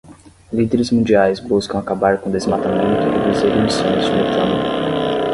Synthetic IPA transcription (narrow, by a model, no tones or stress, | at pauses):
lid̪eɾɪzmũd͡ʒiajzbuskɐ̃w̃akabaɾkõd̪ezmat̪amẽnt̪ʊɪd͡ʒizeɾĩmisõjzunuk̪lɐ̃nu